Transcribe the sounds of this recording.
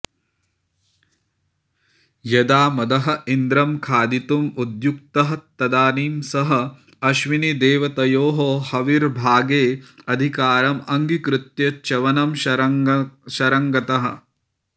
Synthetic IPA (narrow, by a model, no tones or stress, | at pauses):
jɐd̪aːmɐd̪ɐɦɐ̆ind̪ɾɐmkʰaːd̪it̪umud̪juk̚t̪ɐɦɐt̪ɐd̪aːniːmsɐɦɐ̆ | ɐʃʋinid̪eːʋɐt̪ɐjoːɦoːhɐʋiɾbʱaːɡeːɐd̪ʱikaːɾɐmɐŋɡikɾut̪jɐt͡ʃɐʋɐnɐm | ʃɐɾɐŋɡɐt̪ɐɦɐ̆